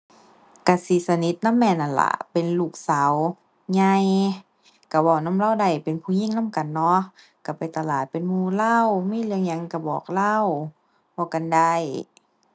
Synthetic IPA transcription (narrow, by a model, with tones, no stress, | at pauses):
ka˧˩si˧˨˦sa˧ni˧˦t̪̚na˧˥˨mːɛː˧˩˨nʔa˧˩nla̰˧˩pe˨nluː˧˩k̚sa˨˦w | ɲa˧j | ka˧˩bɔː˧˩na˧˥˨mlaː˧˨wda˧˩jpe˨npʰuː˧˨ɲi˧˥˨ŋnaː˧˥˨mka˨nːɔ˧˥ | ka˧˩pa˨jt̪a˧˨laː˨˩t̪̚pe˨nmuː˧˩la˧˥˩wmiː˧˥˨lɯ˧əŋɲa˧˨ŋka˧˩bɔː˨˩k̚la˧˥˨w | bɔː˧˩ka˨nda˧˩j